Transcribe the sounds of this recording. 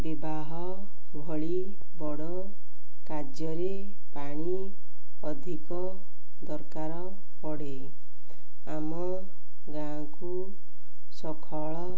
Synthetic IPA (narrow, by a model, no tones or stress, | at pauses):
bibaɦɔ | bʱɔɭi | bɔɽɔ | kad͡ʒjɔɾe | paɽ̃i | ɔd̪ʱikɔ | d̪ɔɾkaɾɔ | pɔɽe | amɔ | ɡã | ku | sɔkʰɔɭɔ